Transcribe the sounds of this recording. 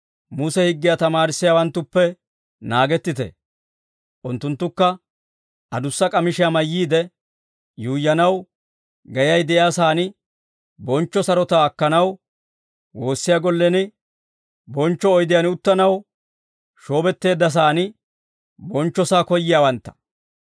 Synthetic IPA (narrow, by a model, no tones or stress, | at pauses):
mʊsɛhɪɡːɪjat̪ɐmaːɾɪsːɪjaːwɐnt̪ːʊpːɛ | naːɡɛt̪ːɪt̪ɛ̰ | ʔʊnt̪ːʊnt̪ːʊkːɐ | ʔɐd̪ʊsːɐkʼɐmɪʃɪjamɐjːiːd̪ɛ | juːjːɐnɐw | ɡɐjɐjd̪ɛʔjaːsaːn | bɔnt͡ʃːɔsɐɾɔt̪ɐːkːɐnɐw | wo̞ːsːɪjaɡɔlːɛnɪ | bɔnt͡ʃːɔːjd̪ɪjanʊt̪ːɐnɐw | ʃo̞ːbɛt̪ːe̞ːd̪ːɐs̬aːnɪ | bɔnt͡ʃːɔsaːkɔjːɪjaːwɐnt̪ːɐ̥